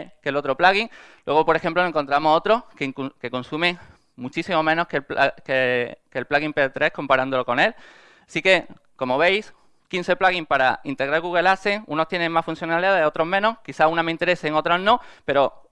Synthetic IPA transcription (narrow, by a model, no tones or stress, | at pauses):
kelo̞t̪ɾo̞plaɣiŋlwe̞ɣopoɾe̞xe̞mploeŋko̞nt̪ɾamo̞so̞t̪ɾo̞hkeŋkke̞ko̞nsumẽ̞ŋ | mut͡ʃisimomẽ̞no̞hkepkekelplaɣimpet̪ɾe̞hko̞mpaɾand̪olo̞ko̞ne̞l | sike̞ | ko̞mo̞β̞e̞js | kin̟θe̞plaɣimpaɾaint̪e̞ɣɾaɾɣuɣ̞e̞lase̞ŋṵno̞st̪je̞nẽ̞ŋmasfun̟θjo̞naliðaðeo̞t̪ɾo̞ɦmẽ̞no̞hkiθaunamẽint̪e̞ɾe̞seŋo̞t̪ɾaznõ̞pe̞ɾo̞